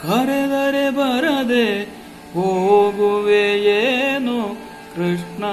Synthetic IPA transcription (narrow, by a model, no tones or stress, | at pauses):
kɐɾed̪ɐɾebɐɾɐd̪e | hoːɦɡuʋejeːnu | kɾɨʂɳɐ